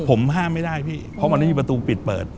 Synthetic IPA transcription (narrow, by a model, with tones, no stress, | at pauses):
pʰo˩˦mɦaː˥˩mːa˥˩jdaː˥˩jpʰiː˥˩pʰɔ˦˥ma˧nː˧˥˩miː˧pɾa˧t̪uː˧pi˨˩t̪̚pɤ̰ː˨˩t̪̚